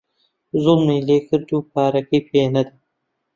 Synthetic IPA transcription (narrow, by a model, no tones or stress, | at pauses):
zulmiːleːkəɾd͡ʒuːpaːɾɐkipʰeːnɐd̪i